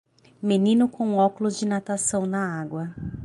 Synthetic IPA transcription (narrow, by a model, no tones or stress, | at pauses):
menĩnʊkõɔkʊlʊzd͡ʒɪnat̪asɐ̃w̃nɐaɡwɐ